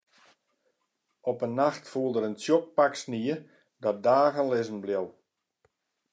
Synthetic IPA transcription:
ɔpənːaxtfuəlˠdəɾəntjok̚paksniə | dɔt̚daːɣənlɪzən̩bljɪwˠ

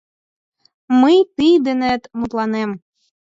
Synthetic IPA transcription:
məjt̪ijd̪enet̪mut̪lˠɑnem

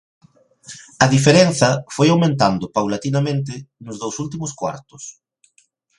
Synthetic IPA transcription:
ɐðifeɾenθɐfojawmẽnt̪and̪ʊpawlat̪inamẽnt̪̬ɪnʊzðowsult̪imʊskwa̰ɾt̪ʊ̥s

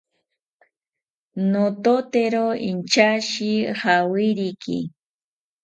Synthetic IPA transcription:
not̪ot̪eɾoint͡ʃaʃɪhawɪɾikḭ

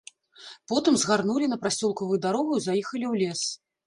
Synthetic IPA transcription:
pɔt̪ɨmzɣarnulʲin̪ɐpɾasʲɔlˠkɐvɨjud̪aɾɔɣuizajɛxɐlʲiwlʲɛs

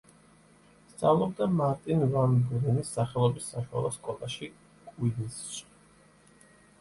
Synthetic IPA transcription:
st̪sʼavlˠɔbd̪amaɾt̪ʼinvanbuɾinisːaχɛlˠɔbisːaʃua̰lˠɔskʼɔlˠa̰ʃi | kʼwid̪isʃ

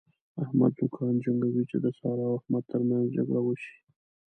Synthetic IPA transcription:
ahma̰d̪d̪ʊkʰɑnd͡ʒaŋɡawit͡ʃed̪əsɑɾɑwahmad̪̚t̪əɾmanzd͡ʒa̰ɡɽawəʃi̥

